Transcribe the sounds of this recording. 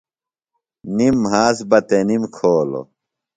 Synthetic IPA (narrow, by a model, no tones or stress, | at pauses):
nimɦaːsbɐt̪enimkʰoːlo̰